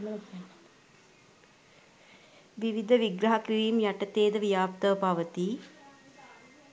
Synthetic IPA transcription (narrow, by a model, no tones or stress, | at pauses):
ʋiʋid̪ʱəʋiɡɾɐɦakiɾiːmjaʈət̪eːd̪əʋijaːpt̪əʋəpaʋət̪i